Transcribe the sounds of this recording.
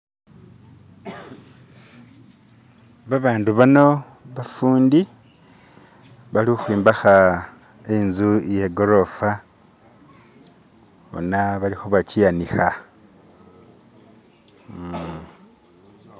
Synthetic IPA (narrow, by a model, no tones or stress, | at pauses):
βaβaːnduβano̞ | βafuːndi | βalixwiːmbaxa | enzujeɡoɾo̞fa | βo̰naβalixoβacijanixa